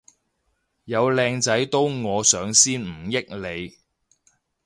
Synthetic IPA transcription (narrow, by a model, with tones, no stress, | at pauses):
jɐ˨˧wlɛː˧ŋt͡sɐ˨˥jt̪o˥wŋɔː˨˧sœː˨˧˥ŋsiː˥nm̩˨˩jɪ˥k̚le˨˧j